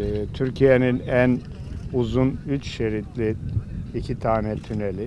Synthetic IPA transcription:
t̪ʰyɾcʰijeninæn | uzunyt͡ʃʃeɾit̪lʲiicʰit̪ʰaːnɛt̪ʰynelʲi

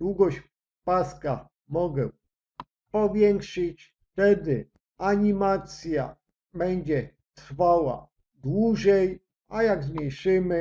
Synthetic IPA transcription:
wuɡɔɕ | paska | mɔɡɛ̰ | pɔvʲjɛŋkʂɘt͡ɕ | t̪ɛd̪ɘ | aɲimat̪sʲja̰ | bɛɲd͡ʑɛ | t̪ɾfawa̰ | d̪wuʐɛj | ajaɡzɲejʂɘmɘ

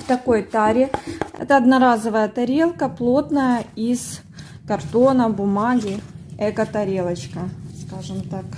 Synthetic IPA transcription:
ft̪ɐko̞jt̪aɾʲɪɛ̰t̪əːd̪nɐɾazəvəjət̪ɐɾʲe̞lˠkəplˠo̞t̪nəjəiz | kɐrt̪onəbʊmaɡʲɪɛkət̪ɐɾʲelˠət͡ɕkəskaʐɨmt̪ak

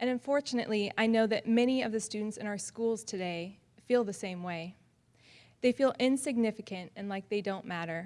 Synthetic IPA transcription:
ʔɨ̃nɨ̃ɱfɔɹt͡ʃɨnɨ̰ʔˡliaɪnoʊðɨt̚mɛñiʌvðɨstʉdⁿn̩tsɨ̃ñaʊə˞skulˠz̥tʰɨdeɪ | filˠðɨsẽɪ̃mweɪ | ðeɪfilˠɪ̃nsɨɡ̚nɪfɨkʰɨ̃ntɨ̃nlaɪk̚ðeɪdõʊ̃nmæɾə˞

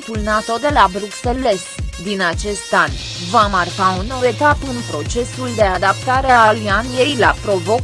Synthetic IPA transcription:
t̪ulnat̪o̞d̪e̞labɾukse̞lːe̞st̪d̪inat͡ʃe̞st̪anʲ | vamarkaunːo̞we̞t̪apɨnpɾo̞t͡ʃe̞suld̪e̞ad̪ap̚t̪aɾeaalianje̞jlapɾo̞vo̞

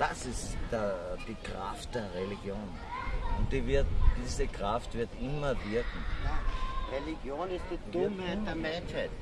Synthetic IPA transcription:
d̥asɪstd̥d̥iːkʁa̰ftd̥eːɐʁeliɡ̥joːn | ʊnt̚d̥ivɪɐtd̥iːzəkʁaftvɪɐtɪmɐvɪɐkŋ̩jaʁeliɡjoːnɪstd̥id̥ʊmɛtdeɐmɛnʃhaɪt

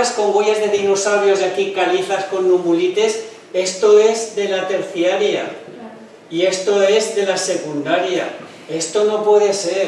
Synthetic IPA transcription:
sko̞ŋɡwo̞ʎazðe̞ðino̞sawβjo̞zjakikaliθasko̞nːumulit̪e̞s | e̞st̪o̞e̞zðe̞lat̪e̞ɾθjaɾja̰ | ie̞st̪o̞e̞zðe̞lase̞kund̪aɾja | e̞st̪o̞no̞pwe̞ðe̞se̞

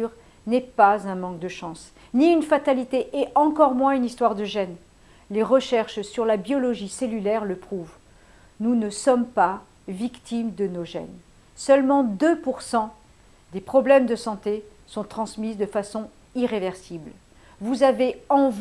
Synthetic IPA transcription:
ʁ | nɛpazɛ̃mɑ̃k̚d̪əʃɑ̃s | niynfat̪alit̪eʔɛʔɑ̃kɔʁmwɛ̃ynist̪waʁd̪əʒɛn | leʁəʃɛʁʃsyʁlabjɔlɔʒiselylɛʁləpχuv | nunəsɔmpa | vikt̪ʰimd̪ənoʒɛ̰n | sœlmɑ̃d̪øpuʁsɑ̃ | d̪epχɔblɛmd̪əsɑ̃t̪esɔ̃t̪χɑ̃smizd̪əfasɔ̃ | iʁevɛʁsibl | vuzaveɑ̃v

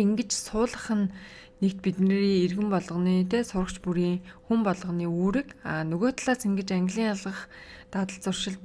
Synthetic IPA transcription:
iŋɡɘ̆t͡ɕsʊːɮə̆χə̆nː | ek̚t̪̚pit̪neːɾiːerɣɘ̆mpɔɮʁ̆niːt̪eːsʊɾə̆kt͡ɕpuɾiːŋxumpɔɮʁə̆niːuːɾɘ̆kaːnɵɣoːt̪ɮaːsiŋɡɘ̆t͡ɕaŋɡʲɮiːŋaɮʁə̆χt̪at̪ə̆ɬt͡sʊr̥ʃɪ̆ɮ̚

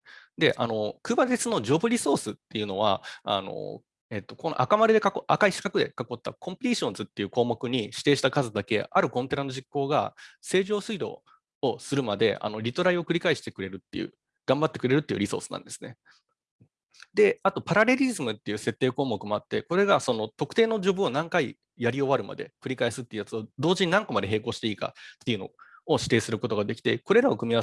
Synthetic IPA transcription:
d̪e̞ʔa̰no̞kɯ̟ːbat̪et͡sɨno̞ʑo̞ːbɯ̟ɾʲiso̞ːsɨt̪ːe̞jɯ̟no̞βaa̰no̞̰ | e̞t̪ːo̞kon̰ʔa̰kamaɾed̪e̞kakoʔakaiɕi̥kakɯ̟d̪e̞kako̞t̪ːa̰kʰõ̞mpʲɾʲiɕõ̞nzɨt̪ːe̞jɯ̟ːko̞ːmo̞kɯ̟ɲ̟iɕi̥t̪e̞ːɕi̥t̪akazɨd̪ake̞aɾɯ̟kõ̞nt̪e̞ɾano̞ʑikːo̞ːɡase̞ːʑo̞ːsɨid̪o̞̰ː | sɨɾɯ̟mad̪e̞̰ʔa̰no̞ɾʲit̪o̞ɾaio̞kɯɾʲikaiɕi̥t̪e̞kɯ̟ɾe̞ɾɯ̟t̪ːe̞̰jɯ̟̰ | ɡ̥ãmbat̪ːe̞kɯɾe̞ɾɯ̟t̪ːeiɯ̟ɾʲiso̞̰ːsɨ̥nã̰nd̪e̞sɨ̥ne̞ | d̪e̞at̪o̞paɾaɾe̞ɾʲizɨmɯ̟t̪ːe̞jɯ̟ːse̞t̪ːe̞ːko̞ːmo̞kɯ̟mo̞at̪ːe̞ko̞ɾe̞ɡaso̞no̞t̪o̞kɯ̟̥e̞ːno̞ʑo̞ːbɯ̟o̞nãŋkai | jaɾʲio̞βaɾɯ̟ma̰d̪e̞̰kɯ̟ɾʲikaisɨt̪ːe̞iɯ̟jat͡sɨod̪o̞ːʑiɲ̟inãŋko̞mad̪e̞ɦe̞ːko̞ːɕi̥t̪e̞iːka̰t̪ːe̞iɯ̟no̞̰oɕi̥t̪e̞ːsɨɾɯ̟ko̞t̪o̞ɡad̪e̞kʲi̥t̪e̞ko̞ɾe̞ɾao̞kɯ̟mʲia

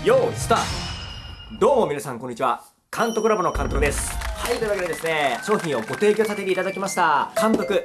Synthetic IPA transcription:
joːsɨ̥t̪a | d̪o̞ːmo̞mʲinasãŋko̞ɲːit͡ɕiβa | kʰãnt̪o̞kɯ̟ɾabɯno̞kãnt̪o̞kɯ̟d̪e̞sɨ̥hait̪oiβakeed̪esɨne̞ɕo̞ːçĩɰ̃o̞ɡo̞t̪e̞ːkʲo̞sat̪eɾʲeit̪ad̪akʲimaɕi̥t̪akãnt̪o̞kɯ̟

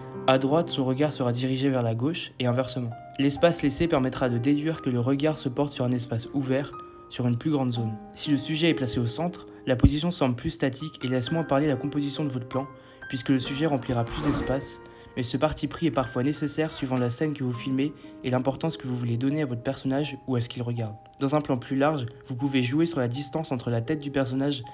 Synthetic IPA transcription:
ad̪ʁwat̪sɔ̃ʁəɡaʁsəʁad̪iʁiʒevɛʁlaɡoʃeɛ̃vɛʁsəmɑ̃ | lɛspaslesepɛʁmɛt̪χad̪əd̪ed̪ɥiʁkələʁəɡaʁsəpɔʁt̪syʁɛ̃nɛspasuvɛʁ | syʁynplyɡʁɑ̃d̪zon | siləsyʒɛɛplaseosɑ̃t̪χ | lapozisjɔ̃sɑ̃bləplyst̪at̪ʰikʲʰelɛsmwɛ̃paʁlelakɔ̃pozisjɔ̃d̪əvɔt̪χplɑ̃ | pɥiskələsyʒɛʁɑ̃pliʁaplysd̪ɛspas | mɛsəpaʁt̪ʰipχiɛpaʁfwanesesɛʁsɥivɑ̃lasɛnkəvufilmeːlɛ̃pɔʁt̪ɑ̃skəvuvuled̪ɔneavɔt̪χə̥pɛʁsɔnaʒuas̬ə̥kʲilʁəɡʲaʁd̪ | d̪ɑ̃zɛ̃plɑ̃plylaʁʒvupuveʒuesyʁlad̪ist̪ɑ̃sɑ̃t̪χəlat̪ɛt̪̚d̪ypɛʁs̬ɔnaʒ

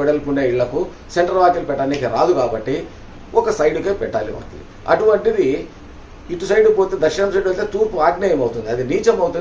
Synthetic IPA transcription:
ɛɽɐlpunːeːiɭːɐku | seɳʈɐɾʋaːkilupɛʈːɐniːkiɾaːd̪ukaːbɐʈːi | ʔɔkɐsɐjɖukeːpɛʈːaːliʋa̰ːkil | ɐ̰ʈuʋɐɳʈid̪i | iʈusɐjɖupo̞ːt̪eːd̪ɐkʂɐnɐmsɐjɖɐlt̪eːt̪uːɾpuaːɡnaːjɐmɐwut̪und̪iɐd̪iniːt͡ʃɐmɐwut̪un

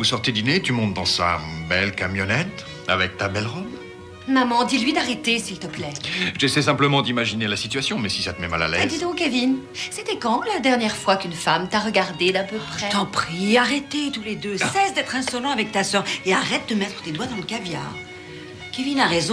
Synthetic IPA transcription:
vusɔʁt̪ed̪inet̪ymɔ̃t̪̚d̪ɑ̰̃sa̰bɛlkamjɔnɛt̪ | a̰vɛk̚t̪abɛlʁɔb | mamɑ̃d̪ilɥid̪aʁet̪esilt̪əplɛʒesɛsɛ̃pləmɑ̃d̪imaʒinelasit̪yɥasjɔ̃mɛsisat̪əmɛma̰la̰lɛ̰zd̪id̪ɔ̃kːevin | sɛt̪ɛkɑ̃lad̪ɛʁnjɛʁfwakynfamt̪aʁəɡaʁd̪ed̪ɛ̃pøpχɛt̪ɑ̃pχiaʁet̪et̪uled̪øsɛsd̪ɛt̪χɛ̃sɔlɑ̃avɛk̚t̪asœʁeaʁɛt̪̚d̪əmɛt̪χə̥t̪ed̪wad̪ɑ̃ləkavja̰ːʁ | kʲevinaʁezɔ̃

